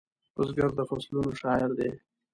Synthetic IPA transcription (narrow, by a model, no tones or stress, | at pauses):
ʊsɡaɾd̪əfaslunoʃɑːɪɾd̪e